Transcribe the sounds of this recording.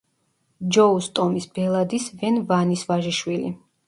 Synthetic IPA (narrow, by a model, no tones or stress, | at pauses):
d͡ʒɔust̪ʼɔmisbɛlˠad̪isvɛnvanisvaʒiʃwilḭ